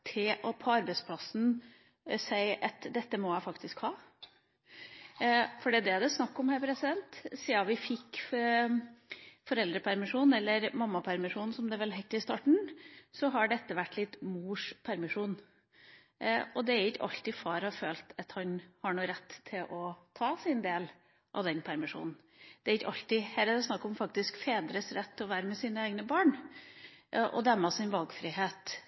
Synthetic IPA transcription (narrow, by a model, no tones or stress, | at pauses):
t̪ʰɪlʔɔpʰɔɑɾbɛɪspʰlɑsn̩ | sæɪʔɑt̪d̪ɛt̪ːəmɔjæɪfɑkt̪ɪskhɑː | fɔɖiːd̪ɛæd̪ɛsnɑkːɔmhæɪpʰɾɛsɪd̪ɛnt̪siːɑʋɪfɪkː | fɔɾɛld̪ɾəpʰæɾmɪʂuːn̩ɛlːəɾmɑmːɑpʰæɾmɪʂuːnn̩sɔmd̪ɛʋɛlɦɛt̪ːɪst̪ɑːʈɳ̩sɔɦɑɖɛt̪ːəʋæʈːlɪt̪muːʂpʰæɾmɪʂuːn | ɔd̪ɛæɾɪçɑ̰lt̪ɪfɑːɾɑføːlt̪ʰɑt̪hɑnhɑɳuːɾɛt̪ʰːɪlʔɔt̪ʰɑːsɪnd̪eːl | ʔɑ̰ʋd̪ɛnpʰæɾmɪʂṵːnn̩ | d̪̥ɛæɾɪçɑlt̪ɪhæːɾɑd̪ɛsnɑkːɔmfɑk̚t̪ɪskfeːd̪ɾəsɾɛt̪ʰːɔʋæːɾəmɛsiːnəeːɡnəbɑːɳ | ʔɔ̰d̪æmɑsɪnʋɑlɡfɾɪɦeːt̪